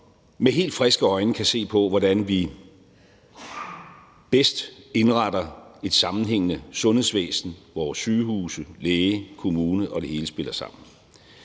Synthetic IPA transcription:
meɦe̝̰ːld̥fʁɛsɡ̥əɒ̽ɪnəkʰæse̝̰ːpʰɒ̽ʋɒdænʋi | b̥esd̥e̝nʁɑdɐe̝d̥sɑ̈mn̩ɦeŋ̰ənəsɔ̽nhe̝sʋḛːsn̩ʋɒːsːyːhuːsəleːəkʰo̝muːnəʔɒ̽d̥e̝he̝ːləsb̥e̝l̰ɐsɑ̈m̰n̩

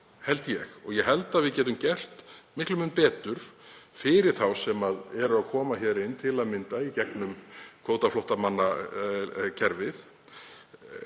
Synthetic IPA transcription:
hɛlt̪jɛxɔɣjɛɦɛlt̪aðvɪðcɛːt̪ʏmcɛr̥t̪mɪhklʏmɪnpɛːt̪ʏɾ̥fɪɾɪɾ̥θawsɛmaðɛɾʏaðkʰɔːmaçɛːɾɪnt̪ʰɪlaðmɪnt̪aicɛknʏmkʰoːwt̪aflɔwht̪amanːa | cʰɛɾvɪθ

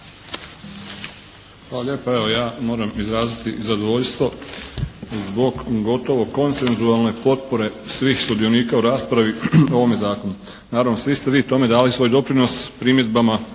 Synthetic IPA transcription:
xʋaːlaʎʲje̞ːpae̞ʋo̞jaːmo̞ːɾamizɾaːzit̪izad̪oʋo̞ʎst̪ʋo̞ | zbo̞ɡɡo̞t̪o̞ʋo̞ko̞nse̞nzualˠne̞po̞t̪̚po̞ɾe̞sʋiːxsud̪io̞niːkauɾaːspɾaʋio̞ʋo̞mjezaːko̞nu | naːɾaʋno̞sʋist̪e̞ʋiːt̪o̞me̞d̪aːlisʋo̞ːjd̪o̞pɾino̞spɾimje̞d̪̚bama

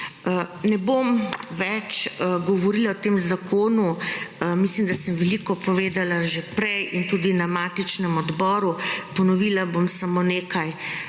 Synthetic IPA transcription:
nɛbomʋɛt͡ʃɡɔʋɔɾiːlaɔt̪eːmzakʰoːnumislimd̪asəmʋɛlikɔpɔʋeːd̪alaʒepɾɛjʔint̪ud̪inamaːt̪it͡ʃnɛmɔd̪bɔːɾupɔnɔʋiːlabomsamoneːkaj

